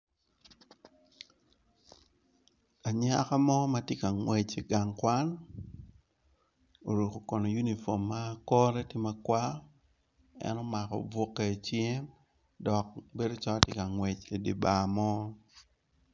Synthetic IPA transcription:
a˨ɲa˦ka˦mɔ˦ma˨tje˦ka˨ŋwɛ˨t͡ʃe˨ɡa˨ŋkwa˦n | o̰˨ɾu˨ko˨kɔ˨nɔ˨ju˦ni˨fo˨mːa˦kɔ˦ɾɛ˦tɪ˦ma˦kwa˦ | ɛ̰˦nɔ˦ma˨kɔ̰˨bo˦kːe˨t͡ʃjɛ˦m | dɔ˨k̚be˦do˦t͡ʃɔ˦tje˦ka˨ŋwɛ˨t͡ʃe˨di˨ba˨mɔ˦

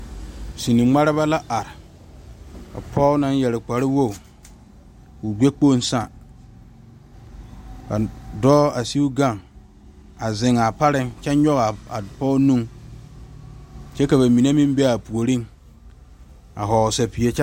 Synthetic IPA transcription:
si˨ni˨ŋ͡ma˦ɾɪ˦ba˦la˦ʔa˨ɾɪ˨ | ka̰˨pʰɔ˦na˦n˦jɛ˨lɪ˨k͡pa˨ɾɪ˦wo˦˨ | ʊ˨ɡ͡be˦k͡po˦˨˦n˦sa˦˨ | ka˨dɔː˦a˨si˦u˦ɡa˦˨ŋ | a˨zɪ˨ŋa˨pa˦ɾɪ˦ŋt͡ʃɛ˦ɲɔ˦ɣa˨a˨pɔ˦nũ˦ŋ | t͡ʃɛ˦ka˨ba˨mi˨ne˦mĩ˦mbɛ˦a˨pu˨o˨ɾi˦ŋ | a̰˨ɦɔ˨sa˨pi˨e˨˦t͡ʃɛ˦

